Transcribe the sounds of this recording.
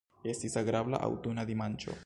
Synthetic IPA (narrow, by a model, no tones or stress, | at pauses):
e̞stisaɡɾabla̰ʔa̰wt̪unad̪imant͡ʃo̞̰